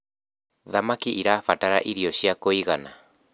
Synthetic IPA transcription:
ðamakiʔiɾafataɾa̰ʔiɾiɔɕiakoiɣana

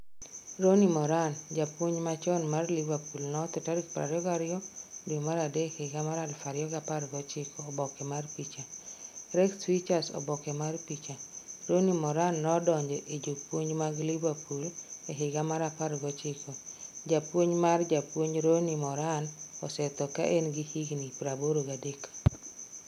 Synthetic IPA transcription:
ɾonimɔɾand͡ʒapwoɲmat͡ʃɔnmarlivapulnɔt̪ʊtaɾikpɾa̰ɾjɔɡaɾɪjɔdomaɾadehɪɡamaɾalfaɾjɔɡapaɾɡɔt͡ʃɪkʰɔːbɔkɛmarpit͡ʃaɾɛksfit͡ʃasɔ̰bɔkɛmarpit͡ʃaɾonimɔɾanːɔdɔɲd͡ʒɛʔed͡ʒopwoɲmaɡlibapuleɦɪɡamaɾapaɾɡɔt͡ʃɪkɔd͡ʒapwoɲmard͡ʒapwoɲɾonimɔɾanɔsɛt̪ɔka̰ʔenɡihiɡnipɾaboɾoɡadekḁ

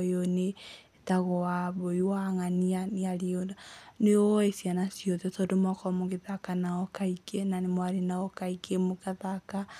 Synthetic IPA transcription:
joneetaɣɔaβoiwaŋanianeaɾionaneɔesianasiɔðɛsɔdomwakɔmoɣeðakanaɔkaikenanemwaɾenaɔkaikʰemokaðaka

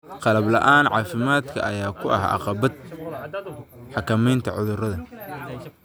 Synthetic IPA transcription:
qɑlɐblɐʔaːnʕɑːfɪmaːd̪kʰɐ̰ʔɐjaːkʰʊʔɐ̰ɦɑ̰qɑbɐd̪̚ | ħɑkʰɐmɛjnt̪ʰɐʕʊðʊrɐðɐ

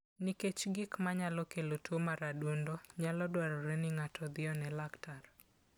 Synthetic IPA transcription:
niket͡ʃɡɪkmaɲalɔkelotʰomaɾadwondoɲalɔdwaɾɔɾenɪŋatʰɔd̪ɪɔnɛlaktʰar

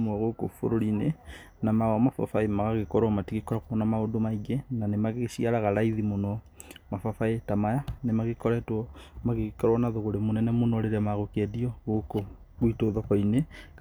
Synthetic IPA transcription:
mwɔɣoko̰fo̰ɾoɾine | namaɣɔmafa̰faemaɣaɣekɔɾwɔmatiɣekɔɾɔkɔnamaodomaiɡenanemaɣesiaɾaɣaɾaiðimonɔmafafaetamajanemaɣekɔɾɛtwɔmaɣeɣkɔɾwɔnaðoɣoɾemonɛnɛmonɔɾeɾamaɣokɛdiɔɣoko | ɣwitoðɔkɔine

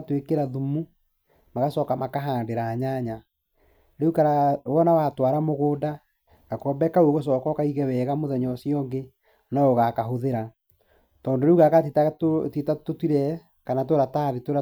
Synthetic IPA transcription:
twekeɾaðumu | maɣasɔːkamakaɦaːndeɾaːɲaɲa | ɾeukaɾawɔnawatwaɾamoɣoːda | ɣ̥akɔːmbɛkauoɣos̬ɔːkɔkaiɣɛwɛːɣamoðɛɲɔsiɔŋɡe | naoɣakaɦoðeɾa | tɔːndoɾeuɣakatetatitatotwiɾɛ | kanat̬oɾataːðetoɾa

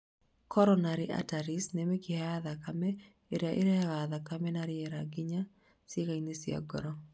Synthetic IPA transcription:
kʰɔɾɔnaɾɪʔa̰taɾɪsnɛmɛkɪhaaðakamɛ | ɪɾaʔɪ̰ɾɛaɣaðakamɛnaɾɪɛɾaɡɪɲa | sɪekaɲnesɪa̰ɡɔ̰ɾɔ

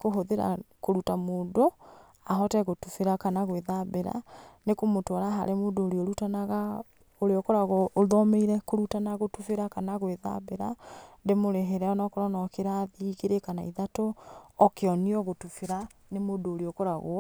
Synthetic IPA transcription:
koɦoðeɾa̰koɾutamoːdo | aɦɔtɛɣotufeɾakanaɣweðabeɾa̰nekomotwɔɾaɦa̰ɾemoːdoːɾeoɾutanaɣa | oɾeɔkoɾaɣɔoðɔmeiɾɛkoɾutanaɣotufeɾakanaɣweða̰beɾandemoɾeɦeɾɛɔnɔkoɾɔnɔkeɾaðiːɣeɾekanaiðatoɔkeɔniɔɣotufeɾa | nemodoːɾeokoɾaɣo̰

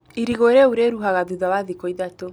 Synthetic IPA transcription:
iɾiɣoɾeuɾeɾuɦaɣaðuðawaðikɔiðato

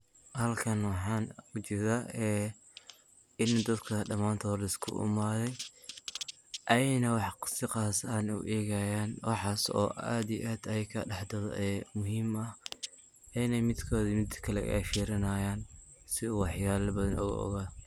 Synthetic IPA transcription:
hɐlkʰɐnwɑħɑːnʊt͡ʃɪɾaɛː | ɪnd̪ɐd̪kʰɐɖɐmaːnt̪ʰɔlɛskʰʊ̰ʔɪ̰maːðɛj | ʔɐjɛjnɐwɑħsɪqɑːsaːnṵʔɛːɣɐjaːnwɑ̰ħɑːsɔ̰ːʔa̰ːd̪ijʔaːd̪ɐjkʰɐɖɑħd̪ɔðɔ̰ʔɛmʊɦiːmɐh | ɛjnɛjmɪd̪kʰɔːðimɪd̪kʰɐlɛ̰ɛ̰jfiːɾɪnaːjaːn | sɪuːwɑħjaːlɐbɐðɐnʔʊ̰ɣ̰ʔɔ̰ɣaː

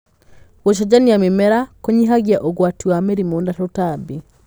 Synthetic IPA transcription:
woʃ̬ɔd͡ʑaniamemɛɾakoɲiɦaɣjaʔoɣwatiwamɛɾimondatotabi

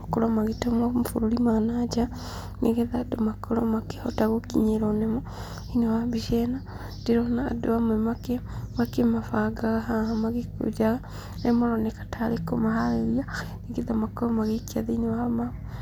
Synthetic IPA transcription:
akoɾɔmaɣetomamfuɾuɾimanad͡ʒa | neɣeðadomakoɾɔ̰make̥hɔtaɣokḭɲeɾɔnemɔ | inewabiʃɛna | d̥eɾɔna̰ːdoamwɛmakemakemafaɡaɣahahamaɣeko̰d͡ʒaɣa | nemoɾɔnekḁtʰaɾekomahaɾeɾianeɡeðamakoɾɔmaɣekiaðeinewama

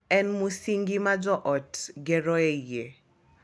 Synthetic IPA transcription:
ɛnmusiŋɡimad͡ʒɔʔɔtɡɛɾɔeje

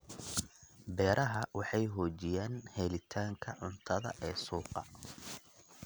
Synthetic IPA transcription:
bɛːɾʔɐɦɐwɑħɑjɦɔːt͡ʃɪjaːnhɛlɪt̪ʰaːŋkʰɐʕʊnt̪ʰɐðɐ̰ʔɛːsuːqɑ̰

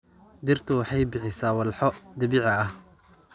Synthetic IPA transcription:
d̪ɪrt̪ʰʊwɑħɑjbɪħɪsaːwɐlħɔd̪ɐβiːʕɐɐh

